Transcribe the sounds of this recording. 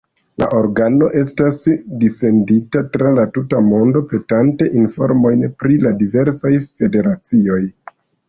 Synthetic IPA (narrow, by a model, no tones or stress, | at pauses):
la̰ʔo̞ɾɡano̞ʔe̞stasdise̞nditatɾalatutamo̞ndo̞pe̞tante̞ʔinfo̞̰ɾmo̞jnpɾiladive̞ɾsajfe̞de̞ɾat͡sio̞j